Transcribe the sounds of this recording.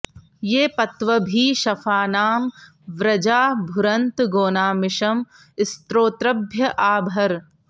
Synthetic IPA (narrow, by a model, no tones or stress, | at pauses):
jeːpɐt̪ʋɐbʱiːʃɐfʰaːnaːm | ʋɾɐd͡ʒaːbʱʊɾɐnt̪ɡoːnaːmɪʃɐm | ɪst̪ɾoːt̪ɾɐbʱjɐʔaːbʱɐɾ